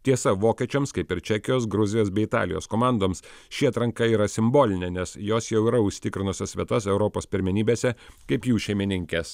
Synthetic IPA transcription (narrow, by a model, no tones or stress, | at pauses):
t̪ʲiɛsɐʋoːkʲɛt͡ʃʲɛmskɐɪpɪɾt͡ʃʲækʲɪjoːs̬ɡɾʊzʲɪjoːsbʲɛɪɪt̪ɑ̰ːlʲɪjo̰ːskoːmɑˑnd̪oːmsʃʲɪɐːt̪ɾɐŋkɐiːɾɐsʲɪmboːlʲɪnʲɛnʲɛsjoːsjɛʊiːɾɐʊʃʲsʲt̪ʲɪkɾʲɪnʊsʲɐsʲʋʲiɛt̪ɐsɛʊɾɔpoːspʲɪɾʲmʲɪnʲiːbʲeːsʲɛkɐɪpjuːʃʲɛɪmʲɪnʲɪŋʲkʲes